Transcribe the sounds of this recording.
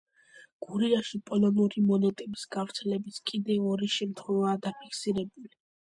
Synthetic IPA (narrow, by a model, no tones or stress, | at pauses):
ɡ̥uɾiaʃipʼɔlɔnuɾimɔnɛt̪ʼɛbisɡ̥avɾt̪sʰɛlɛbiskʼid̪ɛɔɾiʃɛmt̪ʰχwɛvaːd̪apʰikʰsiɾɛbuli